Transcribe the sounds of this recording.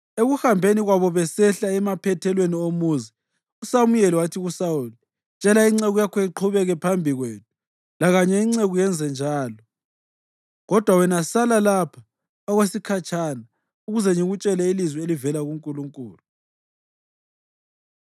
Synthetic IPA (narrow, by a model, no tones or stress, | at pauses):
eɣuhambʱeniɣwaβɔβɛsɛɬaɛmapʰɛtʰɛlweniomuzi | usamujɛliwatʰiɣusauli | t͡ʃʼɛlaiŋ͡ǀeɣujakʰɔiǃʰuβɛɣɛpʰambʱiɣweːtu | laɣaɲɛiŋ͡ǀeɣujɛnd͡zʱɛnd͡ʒʱaːlɔ | ɣɔd̥ʱwawɛnasalalapʰa | aɣwesikʰat͡ʃʰʼana | uɣuzɛŋiɣut͡ʃʼɛlɛilizwɛelivɛlaɣuŋkʼuluŋkʼuːlu